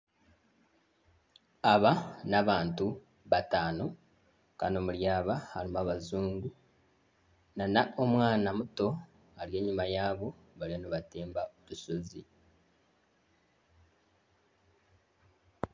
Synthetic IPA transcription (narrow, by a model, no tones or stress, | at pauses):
aβanaβaːntu | βataːno̞ | ka̰no̞muljaːβahalimaβazuːŋɡu | nanaʔo̞mwaːnamuto̞ | alje̞ːɲumajaːβo̞ | βaljanoβateːmbaotusozi